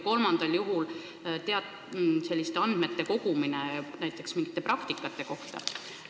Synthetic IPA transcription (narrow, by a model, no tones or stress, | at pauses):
ko̞lmɑnd̪̥ɑljuɦul | t̪eɑt̪ | se̞lːist̪eɑnd̪̥me̞t̪ːˑe̞ko̞ɡ̥uminenæjt̪ːˑe̞ksmiŋɡ̥i̥t̪ːˑe̞prɑkt̪ikːˑɑt̪ːˑe̞ko̞ht̪ɑ̰